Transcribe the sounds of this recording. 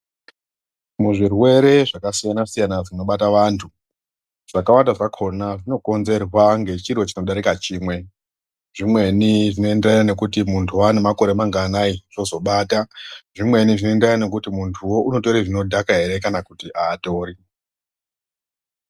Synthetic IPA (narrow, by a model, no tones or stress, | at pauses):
muʐirwe̞ɾe̞ʐakasijanasijanaʐino̞ɓataʋaːntʰu | ʐ̥akawantdaʐakʰo̞naʐino̞ko̞nze̞rwaŋɡe̞t͡ʃiro̞t͡ʃinoɗaɾikat͡ʃiːmwe̞ | ʐimwe̞niʐino̞e̞nderajane̞kutimuntʰuane̞mako̞ɾe̞maŋɡaːnaiʐ̥o̞zo̞ɓaːtaʐimwe̞niʐinonderanane̞k̬utimuntʰuwo̞ʔuno̞to̞ɾiʐino̞dʱakaɦe̞ɾe̞kanakutiʔaːto̞ːɾi